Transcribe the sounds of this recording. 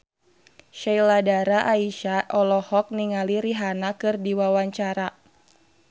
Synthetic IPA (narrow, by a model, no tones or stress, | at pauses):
ʃailadaɾaʔaiʃaʔɔlɔhɔk̚niŋaliɾiɦanakɨrdiwawaɲt͡ʃaɾa